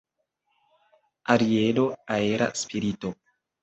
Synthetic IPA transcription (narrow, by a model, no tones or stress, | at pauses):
aɾiedoaeɾa̰spʰiɾito